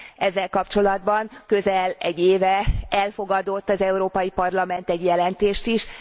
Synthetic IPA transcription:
ɛzːɛlkɒpt͡ʃo̞lɒd̪̚bɒŋkøzɛlɛɟːeːvɛɛlfo̞ɡɒd̪o̞t̪ːɒzɛuɾoːpɒjipɒrlɒmɛnt̪ɛɟjɛlɛnt̪eːʃt̪iʃ

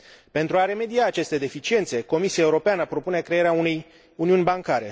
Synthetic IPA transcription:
pe̞nt̪ɾuaɾe̞me̞d̪iaːt͡ʃe̞st̪e̞d̪e̞fit͡ʃie̞nt̪se̞ko̞misiaeuɾo̞peanəpɾo̞pune̞kɾe̞eɾeaune̞j | uniunʲbaŋkaɾe̞

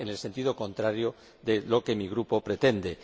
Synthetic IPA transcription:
ene̞lse̞nt̪iðokõ̞nt̪ɾaɾjo | ðelo̞ke̞miɣ̞ɾupo̞pɾe̞t̪e̞nd̪e̞

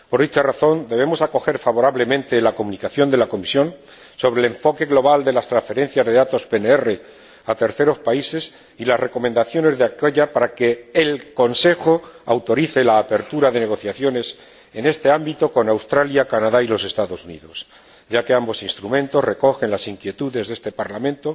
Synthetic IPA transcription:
po̞ɾðit͡ʃaraθo̞nd̪e̞βe̞mo̞sako̞xe̞ɾfaβoɾaβle̞mẽ̞nt̪e̞lako̞munikaθjo̞nd̪elako̞misjo̞n | so̞β̞ɾeleɱfo̞ke̞ɣlo̞β̞ald̪e̞last̪ɾasfe̞ɾe̞n̟θjazðe̞ðat̪o̞spe̞neere̞ | at̪e̞ɾθe̞ɾo̞spaise̞s | ilazre̞ko̞mẽ̞nd̪aθjo̞ne̞zðeakeʝapaɾake̞ːlko̞nse̞xo̞awt̪o̞ɾiθe̞laːpe̞ɾt̪uɾaðe̞ne̞ɣ̞o̞θjaθjo̞ne̞s | e̞ne̞st̪e̞ambit̪o̞ko̞nawst̪ɾaljakanaðailo̞se̞st̪aðo̞sunḭðo̞s | ɟ͡ʝake̞ambo̞sinst̪ɾumẽ̞nt̪o̞zre̞ko̞xe̞nlasiŋkje̞t̪uðe̞zðe̞st̪e̞paɾlamẽnt̪o̞

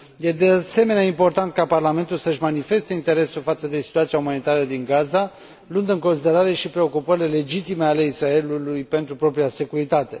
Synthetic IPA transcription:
je̞d̪e̞ase̞me̞neaimpo̞rt̪ant̪̚kaparlame̞nt̪ulsəʃmanife̞st̪e̞int̪e̞ɾe̞sulfat̪səd̪e̞si̥t̪uat̪sijaumanit̪aɾəd̪iŋɡaza | lund̪ɨŋko̞nsid̪e̞ɾaɾe̞ʃipɾe̞o̞kupəɾile̞le̞d͡ʒit̪ime̞ale̞isɾae̞lulujpe̞nt̪ɾupɾo̞pɾijase̞kuɾit̪at̪e̞

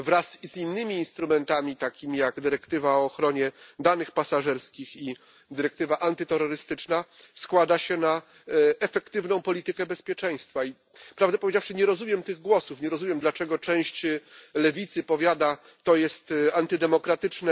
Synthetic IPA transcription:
vɾaszinːɘmʲiːnst̪ɾumɛnt̪amʲit̪akʲimʲijaɡd̪ɘɾɛkt̪ɘvaɔːxɾɔɲɛd̪anɘxpasaʐɛɾskʲixi | d̪ɘɾɛk̚t̪ɘvaʔant̪ɘt̪ɛɾɔɾɘst̪ɘt͡ʂnaskwad̪aɕɛna | ɛfɛkt̪ɘvnɔ̃w̃pɔlʲit̪ɘkɛbɛspʲjɛt͡ʂɛ̃j̃st̪fai | pɾavd̪ɛpɔvʲed͡ʑafʂɘɲɛɾɔzumʲjɛmt̪ɘɣɡwɔsufɲɛɾɔzumʲjɛmd̪lat͡ʂɛɡɔt͡ʂɛ̃w̃ɕt͡ɕlɛvʲit̪sɘpɔvʲjad̪a | t̪ɔjɛst̪ant̪ɘd̪ɛmɔkɾat̪ɘt͡ʂnɛ

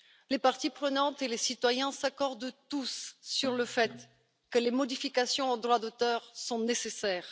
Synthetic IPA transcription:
lepaʁt̪ipχənɑ̃t̪elesit̪wajɛ̃sakɔʁd̪t̪usːyʁləfɛt̪ | kəlemɔd̪ifikasjɔ̃ɑ̃d̪ʁwad̪ot̪œʁsɔ̃nesesɛːʁ

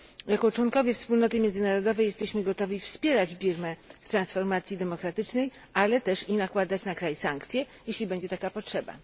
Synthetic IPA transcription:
jakɔt͡ʂwɔnkɔvʲjɛfspulnɔt̪ɘmʲjɛndzɘnaɾɔd̪ɔvɛjɛst̪ɛɕmɘɡɔt̪ɔvʲifspʲjɛɾad͡ʑbʲiɾmɛft̪ɾansfɔɾmat̪sʲjid̪ɛmɔkɾat̪ɘt͡ʂnɛjʔalɛt̪ɛʂinakwad̪at͡ɕnakɾajsaŋkt̪sʲjɛ | jeɕlʲibɛɲd͡ʑɛt̪akapɔtʂɛba̰

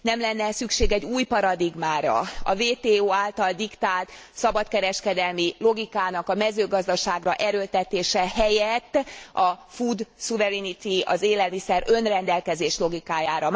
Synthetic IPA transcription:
nɛmlɛnːɛsykʃeːɡɛɟːuːjpɒɾɒd̪iɡmaːɾɒ̰ɒ̰veːt̪eːoːaːlt̪ɒld̪ikt̪aːlt̪sɒbɒt̪kɛɾɛʃkɛd̪ɛlmilo̞ɡikaːnɒkɒmɛzøːɡɒzd̪ɒʃaːɡrɒʔɛɾøːlt̪ɛt̪eːʃɛɦɛjɛt̪ːɒfud̪suvɛɾɛnit̪iɒ̰zeːlɛlmisɛɾø̞nrɛnd̪ɛlkɛzeːʃlo̞ɡikaːjaːɾɒ

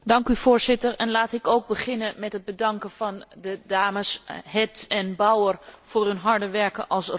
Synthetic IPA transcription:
dɑŋkyvoːɹzɪtəɹɛnlaːtɪkowɡ̚bəχɪnəmɛtɦəd̚bədɑŋkəvɑndədaːməsɦɛtɛnbawərfʊːɹɦɵnɦɑɹdəʋɛɹkəʔɑlˠs

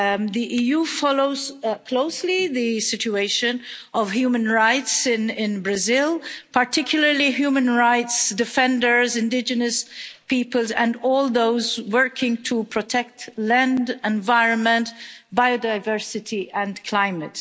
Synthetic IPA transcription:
ðiʔijufɑloʊz̥kʰl̥oʊsliðɨsɪt͡ʃueɪʃɨ̃nʌv̥hjumə̃nɹaɪtsɪ̃nɪ̃nbɹɨzɪlˠpəɹtʰɪkʰjʊl̩ˠə˞liɦjʉmə̃nɹaɪtsdɨfɛ̃ndə˞zɨ̃ndɪd͡ʒɨnɨspipəlˠzə̃ndɔlˠðoʊzwɜ˞kʰɪ̃ŋtʰəpʰɹ̥ɔtʰɛk̚tlæ̃ndɛ̃nvaɪɹə̃nmə̃ntb̥aɪodaɪvɜ˞sɨtʰiʔə̃nkʰl̥ãɪ̃mɨt

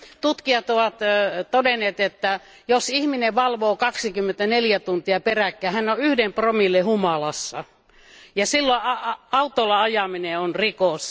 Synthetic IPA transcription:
t̪ut̪kiɑt̪oʋɑt̪t̪odenːˑeːt̪et̪ːæ | josihmineʋɑlʋoːkɑksikymːent̪æneljæt̪unt̪iɑperækːˑæːhænːoʔyhdempromilːehumɑlɑsːɑ̰ | jɑsilːoɑɑɑut̪olːɑɑjɑmineonrikos

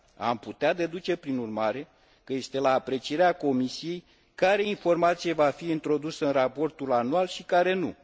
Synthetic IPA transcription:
a̰mput̪ead̪e̞d̪ut͡ʃe̞pɾinurmaɾe̞ | kəje̞st̪e̞laːpɾe̞t͡ʃie̞ɾeako̞misije̞j | kaɾe̞info̞rmat̪sije̞vafiint̪ɾo̞d̪usəɨnrapo̞rt̪ulanualʃikaɾe̞nṵ

